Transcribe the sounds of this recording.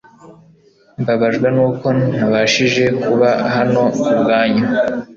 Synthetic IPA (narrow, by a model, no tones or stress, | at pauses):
mbaβaʒɡwenuːko̞naβaʃiʒe̞kuβaɦano̞ubɡaːɲa